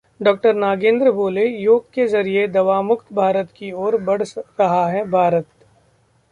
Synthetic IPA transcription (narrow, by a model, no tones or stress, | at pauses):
ɖɔːk̚ʈəɾnaːɡẽːnd̪ɾəboːlejoːɡkezɐɾied̪ɐʋaːmʊkt̪bʱaːɾət̪kioːɾbɐɽ̤ɾɐɦaɦɛbʱaːɾət̪̚